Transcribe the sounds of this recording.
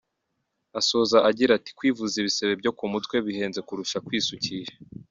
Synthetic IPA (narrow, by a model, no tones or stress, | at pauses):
aso̞zaʔaɟiɾati̥kwiːvuziβise̞βe̞bɟo̞kumutwe̞βihe̞ːnze̞kuɾuʃakwiːsucije